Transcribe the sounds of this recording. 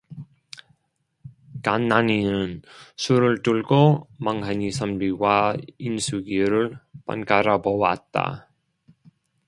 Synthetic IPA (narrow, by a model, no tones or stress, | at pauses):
kanːaninɯnsʰuɾɯɭtuɭɡomaŋhaɲisʰʌmbiɡwainsʰuɡiɾɯɭpa̰nkaɾabowa̰t̚t͈a̰